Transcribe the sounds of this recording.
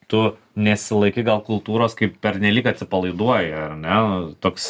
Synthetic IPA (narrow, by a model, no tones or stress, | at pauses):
t̪ʊ | nʲɛsʲɪlˠɐɪkʲɪɡɐlˠkʊlˠt̪uːɾoːskɐɪppʲɛɾʲnʲɛlʲiːkɐt̪ʲsʲɪpɐlˠɐɪd̪uɔjɪɐrnʲɛt̪oːks